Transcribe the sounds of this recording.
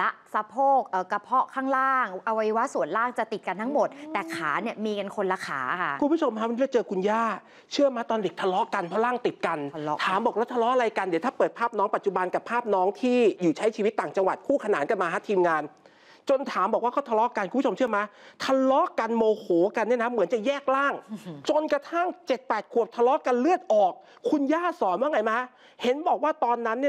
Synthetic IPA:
la˦˥ʔsa˧pʰoː˥˩k̚ʔɤː˨˩ka˧pʰɔ˦˥kʰaː˥˩ŋlaː˥˩ŋʔa˧wa˧jwa˦˥su˨˩ənlaː˥˩ŋt͡ɕa˨˩t̪i˨˩t̪̚ka˧nt̪ʰa˦˥ŋmo˨˩t̪̚t̪ɛː˨˩kʰaː˩˦ni˥˩əmiː˧ka˧nkʰo˧nla˧kʰa̰ː˩˦kʰa˦˥˩u˧mpʰu˥˩t͡ɕʰo˧mʰa˦˥a˧niː˦˥˧t͡ɕɤː˧kʰu˧njaː˥˩ | t͡ɕʰɯ˥˩əmaː˦˥t̪ɔː˧nde˨˩k̚t̪ʰa˧lɔ˦˥ʔka˧npʰɔ˦˥laː˥˩ŋt̪i˨˩t̪̚ka˧n˦t̪ʰaː˩˦mbɔː˨˩k̚la˦˥t̪ʰa˧lɔ˦˥ʔa˧ɾa˧jka˧ndi˩˦t̪ʰːpɤː˨˩t̪̚pʰaː˥˩p̚nɔː˦˥ŋpa˨˩t̪̚t͡ɕu˨˩ba˧nka˨˩pʰaː˥˩p̚nɔː˦˥ŋt̪ʰiː˥˩juː˨˩t͡ɕʰa˦˥jt͡ɕʰi˧wi˦˥t̪ːaː˨˩ŋt͡ɕa˧ŋwa˨˩t̪̚kʰuː˥˩kʰa˧naː˩˦nka˧nmaː˧ɦaː˧˥t̪ʰiː˧mŋaː˧n | t͡ɕo˧nt̪ʰaː˩˦mbɔː˨˩k̚waː˥˩kʰa˥˩t̪ʰa˧lɔ˦˥ka˧nkʰu˧pːʰo˧mt͡ɕʰəmaː˦˥t̪ʰa˧lɔ˦˥ka˧nmoː˧hoː˩˦ka˧nːi˥˩ənʰa˦˥mɯ˩˦nt͡ɕa˨˩jɛː˥˩k̚laː˥˩ŋt͡ɕo˧nka˧t̪ʰa˥˩ŋt͡ɕe˨˩t̪̚pɛː˨˩t̪̚kʰu˨˩p̚t̪ʰa˧lɔ˦˥ka˧nlɯ˥˩ət̪̚ʔɔː˨˩k̚ʰu˧njaː˥˩sɔː˩˦nwaː˥˩ŋa˧jmaː˦˥ | he˩˦nbɔː˨˩k̚waː˥˩t̪ɔː˧nːa˦˥nːi˥˩

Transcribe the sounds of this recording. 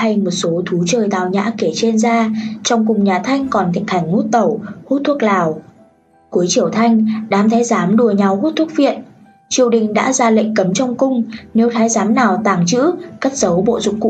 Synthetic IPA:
ha˧jmo˨˩t̚so˨˦t̪ʰu˨˦t͡ɕəː˨˩jt̪a̰ː˧˨˩wɲa̰ː˧˥ke˧˩t͡ɕe˧nzaː˧t͡ɕɔ˧wŋ͡mkʊ˨˩ŋ͡mɲaː˨˩t̪ʰa˧jŋ̟kɔ˨˩nt̪ʰï˨˩k̟̚ha˨˧˩jŋ̟ŋu˦˥t̚t̪ə˧˩whu˦˥t̚t̪ʰu˦˥ək̚laː˨˩w | ku˨˦əjt͡ɕi˧˩əwt̪ʰa˧jŋ̟ɗaː˨˦mt̪ʰaː˨˦jzaː˨˦mɗu˨˩əɲa˨˩whu˦˥t̚t̪ʰu˦˥ək̚vḭ˧˨ən | t͡ɕi˨˩əwɗï˨˩ŋ̟ɗa̰ː˧˥zaː˧lə̰˧˨ŋ̟kə˨˦mt͡ɕɔ˧wŋ͡mkʊ˧ŋ͡mne˨˦wt̪ʰaː˨˦jzaː˨˦mnaː˨˩wt̪aː˨˩ŋt͡ɕɨ̰˧˥ka˦˥t̚z̥ə˨˦wɓo̰˧˨zʊ̰˧˨ŋ͡mkːṵ˧

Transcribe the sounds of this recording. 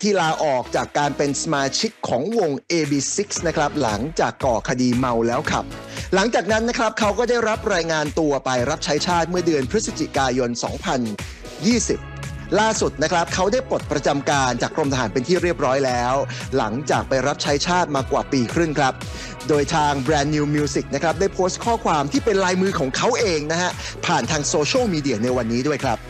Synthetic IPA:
t̪ʰiː˥˩laː˧ʔɔː˨˩k̚t͡ɕaː˨˩kːaː˧npe˧nsa˧maː˧t͡ɕʰi˦˥kʰːɔː˩˦ŋwo˧ŋʔeː˧biː˧si˦˥k̚sna˦˥kʰɾa˦˥p̚la̰˩˦ŋt͡ɕaː˨˩kːɔː˨˩kʰa˧diː˧ma˧wlɛː˦˥wkʰa̰˨˩p̚ | la˩˦ŋt͡ɕaː˨˩k̚na˦˥nːa˦˥kʰɾa˦˥p̚kʰa˦˥wkɔː˥˩daː˥˩jɾa˦˥p̚ɾaː˧jŋaː˧nt̪u˧ɐpa˧jɾa˦˥p̚t͡ɕʰa˦˥jt͡ɕʰaː˥˩t̪̚mɯ˥˩ɐdɯ˧ənpʰɾɯ˦˥sa˧t͡ɕi˨˩kaː˧jo˧nsɔ̰ː˩˦ŋpʰa˧n | jiː˥˩si˨˩p̚ | laː˥˩su˨˩t̪̚na˦˥kʰɾa˦˥p̚kʰa˦˥wdaː˥˩jpɾo˨˩t̪̚pɾa˧t͡ɕa˧mkaː˧nt͡ɕa̰ː˨˩kːɾo˧mt̪ʰa˧ɦaː˩˦npe˧nt̪ʰiː˥˩ɾi˥˩əp̚ɾɔː˦˥jlɛː˦˥wla̰˩˦ŋt͡ɕaː˨˩k̚pa˧jɾa˦˥p̚t͡ɕʰa˦˥jt͡ɕʰaː˥˩t̪̚maː˧kwa̰ː˨˩piː˧kʰɾɯ˥˩ŋkʰɾa˦˥p̚ | doː˧jt̪ʰaː˧ŋbɾɛː˧nːi˧mi˧si˨˩k̚na˦˥kʰɾa˦˥p̚da˥˩jpʰoː˦˥st̪̚kʰɔː˥˩kʰwaː˧mt̪ʰiː˥˩pe˧nlaː˧jmɯː˧kʰɔː˩˦ŋkʰa˦˥wʔeː˧ŋna˦˥khʰa˦˥ʔpʰaː˨˩nt̪ʰaː˧ŋsoː˧t͡ɕʰɯ˥˩miː˧di˨˩ɐna˧jwa˧nːiː˦˥du˥˩əjkʰɾa˦˥p̚

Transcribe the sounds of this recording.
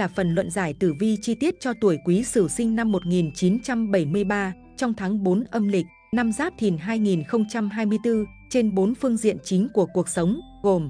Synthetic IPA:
jlaː˨˩fə˨˩nlwə̰˧˨nzaː˧˩jt̪ɨ˧˩vi˧t͡ɕi˧t̪i˦˥ət̚t͡ɕɔ˧t̪u˧˩əjkwi˨˦sɨ˧˩sï˧ŋ̟na˧mːo˨˩t̚ŋi˨˩nt͡ɕi˨˦nt͡ɕa˧mɓə˧˩jmɨ˧əjɓaː˧ | t͡ɕɔ˧wŋ͡mt̪ʰaː˨˦ŋɓo˨˦nʔə˧mlï˨˩k̟̚naː˧mzaː˦˥p̚t̪ʰi˨˩ənɦaː˧jŋi˨˩nxə˧wŋ͡mt͡ɕa˧mɦaː˧jmɨ˧əjt̪ɨ˧ | t͡ɕe˧nɓo˨˦nfɨ˧əŋzḭ˧˨ənt͡ɕï˨˦ŋ̟ku˧˩əku˨˩ək̚sə˨˦wŋ͡m | ɣo˨˩m

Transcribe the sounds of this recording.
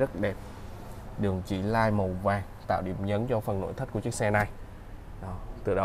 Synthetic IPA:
ə˦˥t̚ɗɛ˨˩p̚ | ɗɨ˨˩əŋt͡ɕi˧˩˦laː˧jmə˨˩wvaː˨˩ŋt̪a̰ː˧˨wɗi˧˩əmɲə˨˦nt͡ɕɔ˧fə˨˩nːo̰˧˥jt̪ʰə˦˥kt͡ɕɨ˦˥ksɛ˧na˨˩j | ɗɔ˨˩t̪ɨ˨˩ɗə˨˦

